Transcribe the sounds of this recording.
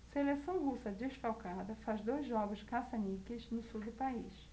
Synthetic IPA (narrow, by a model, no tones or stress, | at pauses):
selesɐ̃w̃husɐd̪eʃfawkad̪ɐfazd̪ojzʒɔɡʊʃkasanikɪznʊsud̪ʊpaiʃ